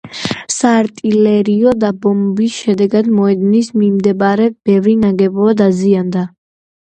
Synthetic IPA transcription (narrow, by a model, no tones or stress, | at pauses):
saːɾt̪ʼilɛɾiɔd̪abɔmbisʃɛd̪ɛɡad̪mɔɛd̪nismimd̪ɛbaɾɛb̥ɛvɾinaɡɛbɔad̪aziand̪a